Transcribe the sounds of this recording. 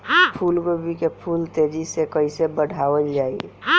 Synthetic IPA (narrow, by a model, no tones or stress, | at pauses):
pʰulɡobʱikepʰult̪eɾisekəɪsebəɽʱaʋəld͡ʒai